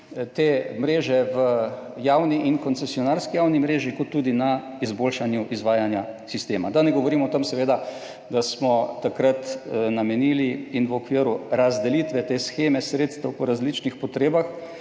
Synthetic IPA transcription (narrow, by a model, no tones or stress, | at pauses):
t̪eːmɾeːʒɛʋəjawniʔinkɔnt̪sɛsijɔnaɾskijawnimɾeːʒikɔt̪ːud̪ina | izboːlʃanjuʔizʋaːjanjasist̪eːma̰d̪anɛɡɔʋɔɾimɔt̪əmsɛʋeːd̪a | d̪asmɔːakɾat̪namɛniːliinʋɔkʋiəɾuɾazd̪ɛlit̪ʋɛt̪eːsxeːmɛsɾeːt̪st̪ɐwpɔɾazlit͡ʃnixpɔt̪ɾeːbax